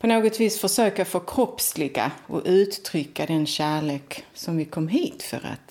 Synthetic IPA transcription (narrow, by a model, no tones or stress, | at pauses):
pʰɔnoːɡɔt̪viːsfœʂøːkafoːkʰɾɔpslɪɡa̰ʔɔ̰ʔʉ̟ːt̪ːʰɾʏkʰːad̪ɛnɕæːɭeːksɔmvɪkʰɔmːɦiːt̪fœ̰ɾa̰t̪